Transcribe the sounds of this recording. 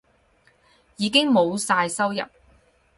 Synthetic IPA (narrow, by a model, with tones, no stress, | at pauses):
jiː˨˧k̬ɪ˥ŋmo˨˧wsaː˧jsɐ˥wjɐ̰˨p̚